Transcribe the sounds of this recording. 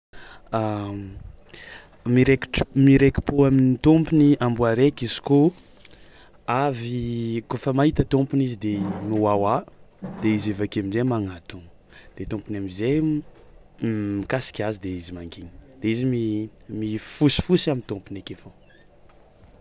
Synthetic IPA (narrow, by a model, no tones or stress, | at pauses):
a | miɾekʈ͡ʂmiɾeki̥poaminit̪ompuniambuaɾekizi̥ko | avikofəmaɦit̪ət̪ompunizid̪emuwawad̪̥eizevakeaminzemaŋat̪un | d̪̥et̪umpunamizej | mikasi̥kʲazid̪eizimaŋɡini̥d̪̥eizimimifusi̥fusiamint̪umpunekefo